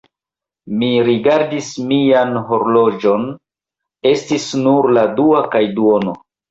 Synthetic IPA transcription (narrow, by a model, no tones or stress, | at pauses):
miɾiɡaɾdismianɦo̞ɾlo̞d͡ʒo̞n | e̞stisnuɾladuakajduono̰